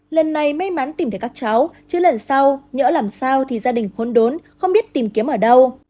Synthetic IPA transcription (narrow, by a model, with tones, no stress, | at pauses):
lə˨˩nːa˨˩jm˧jma˨˦nt̪i˨˩mt̪ʰːkaː˦˥k̚t͡ɕa˨˦wt͡ɕɨ˨˦lə˨˩nsa˧wɲə̰ː˧˥laː˨˩msaː˧wt̪ʰi˨˩zaː˧ɗï˨˩ŋ̟xo˨˦nɗo˨˦nxə˧wŋ͡mɓi˦˥ət̚t̪i˨˩mki˨˦əmʔəː˧˩ɗə˧w